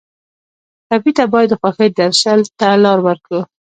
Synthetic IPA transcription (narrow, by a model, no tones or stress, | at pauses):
kabit̪abɑjad̪əxwaxəjd̪aɾʃəlt̪alɑɾwəɾkə